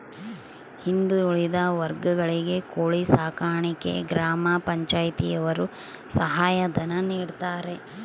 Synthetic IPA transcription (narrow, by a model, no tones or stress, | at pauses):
hind̪uuɭid̪ɐʋɐɾɡɐɡɐɭiɡe̞koːɭisaːkaːɳikḛɡɾaːmaːpɐɲt͡ʃaːjt̪ijɐʋɐɾu | sɐɦaːjɐd̪ɐnɐniːɽt̪aːɾe̞